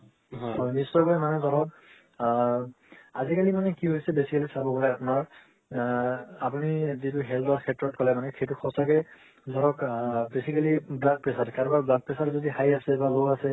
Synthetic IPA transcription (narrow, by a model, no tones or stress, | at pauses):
ɦɦɔjnisːɔkɔjmanɛzʱɔɹɔk | azikalimanɛkiɦojsɛbesikalisabɔbɔlɛapʊnaɹ | apunizituɦɛlɔɹkʰɛtːɹɔt̚kʰɔlɛmanɛxʰejtuxʰɔsakɛ | zʱɔɹɔkbesikaliblak̚pɛsatkaɹbaɹblak̚pɛsaɹzodixajasɛbalowasɛ